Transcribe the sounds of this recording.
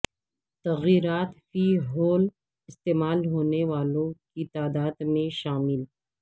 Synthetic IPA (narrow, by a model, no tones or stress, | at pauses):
t̪ɐɣiːɾaːt̪fiɦoːl | ɪst̪eːmaːlɦoːneʋaːlõkit̪aːd̪aːd̪mẽʃaːmɪl